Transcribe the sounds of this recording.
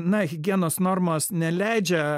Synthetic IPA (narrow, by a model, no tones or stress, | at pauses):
nɐɣʲɪɡʲiɛnoːsnoːɾmoːsnʲɛlʲæɪd͡ʒʲɛ